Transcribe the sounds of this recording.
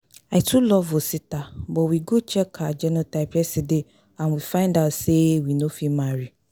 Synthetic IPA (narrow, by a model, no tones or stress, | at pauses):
aɪtʰulɔvositabɔwiɡot͡ʃʰɛkʰad͡ʒɛnɔ̃taɪpɛside | ãnwifãɪ̃ndaʊtsewinofimaɹi